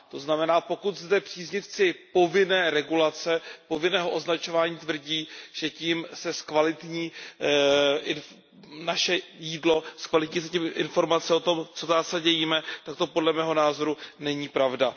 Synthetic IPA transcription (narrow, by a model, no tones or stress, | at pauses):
t̪o̞znamɛnaːpo̞kut̪zdɛpr̥iːzɲɪft͡sɪpo̞vɪnɛːɾɛɡulat͡sɛpo̞vɪnɛːɦo̞ʔo̞znat͡ʃo̞vaːɲiːt̪vr̩ɟiːʒ̥ɛciːmsɛskvalɪt̪ɲiː | ɪn | naʃɛjiːdlo̞skvalɪt̪ɲiːsɛcimʔɪnfo̞ɾmat͡sɛo̞t̪o̞mt͡sot̪aːsaɟɛjiːmɛt̪ak̚t̪o̞po̞dlɛmɛːɦo̞naːzo̞ɾunɛɲiːpɾavda